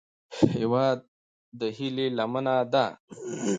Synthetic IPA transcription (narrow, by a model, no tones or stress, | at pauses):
hhewaːd̪̚ː | əhilelamənad̪a